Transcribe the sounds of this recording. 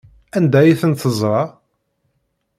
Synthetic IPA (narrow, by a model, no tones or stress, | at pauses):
ænd̪æjiθənt̪əzˤɾˤɑ